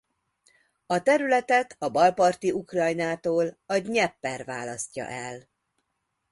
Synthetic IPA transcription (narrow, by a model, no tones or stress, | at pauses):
ɒt̪ɛɾylɛt̪ɛt̪ɒbɒlpɒrt̪iukrɒjnaːt̪oːlɒɟɲɛpːɛrva̰ːlɒstcːɒ̰ʔɛl